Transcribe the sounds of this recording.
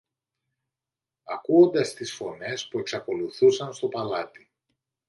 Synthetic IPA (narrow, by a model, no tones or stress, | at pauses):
ɐkuo̞nd̪ɐst̪isfo̞ne̞spue̞ksɐko̞luθusɐnst̪o̞pɐlɐt̪i